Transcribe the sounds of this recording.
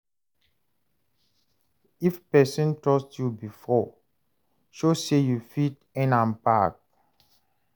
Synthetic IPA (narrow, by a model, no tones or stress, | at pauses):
ifpɛsɔ̃ntɔstjubifɔ | ʃosejufit | ɛ̃nãmpak̚